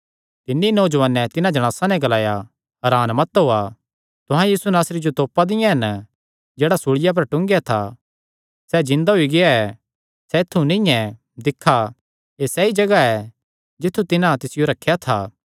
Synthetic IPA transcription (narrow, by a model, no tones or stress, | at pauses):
t̪ɪnːinoːd͡ʒʋaːnːɛt̪ɪnãd͡ʒɐɽ̃aːsanɛɡɐlaːja | ɐɾaːnmɐt̪ɦoːa | t̪ʊɦãjiːsunaːsɾid͡ʒot̪oːpad̪ɪjãɦɐn | d͡ʒeːɽasuɽɪjap̬ɐɾʈʊ̃ŋɡjat̪ʰa̰ | sɛd͡ʒɪ̃nd̪aɦoiɡɪjaɛ | sɛɪt̪ʰːunɪ̃jɛ̃ | d̪ɪkʰːa | esɛːid͡ʒɐɡaɛ | d͡ʒɪt̪ʰːut̪ɪnãt̪ɪsɪjoɾɐkʰːjat̪ʰa̰ː